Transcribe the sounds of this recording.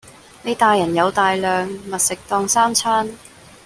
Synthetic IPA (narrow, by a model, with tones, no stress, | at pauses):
ne˨˧jt̪aː˧jːɐ˨˩njɐ˨˧wt̪aː˧jlœː˨ŋmɐ˨t̚sɪ˨k̚t̪ɔː˧ŋsaː˥mt͡sʰaː˥n